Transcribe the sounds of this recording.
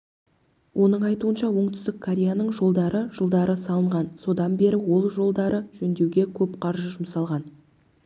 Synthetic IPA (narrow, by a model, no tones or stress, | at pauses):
wʔo̞nəɴɑjt̪uənʃɑwo̞ɴt̪ʏ̥st̪ɪkkʰːoɾʲejanəɴʒo̞lˠd̪ɑɾəʒ̥əlˠd̪ɑɾəsɑlˠəɴʁɑnso̞d̪ɑnbe̞ɾɪwo̞lˠʒo̞lˠd̪ɑɾəʒɵnd̪e̞wɡʲe̞kʲʰɵpqʰɑɾʒəʒʊmsɑlˠʁɑn